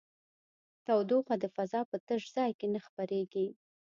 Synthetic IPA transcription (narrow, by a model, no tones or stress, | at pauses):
t̪awd̪oxwad̪əfazɑpət̪əʒzɑjkenaxpaɾeɡi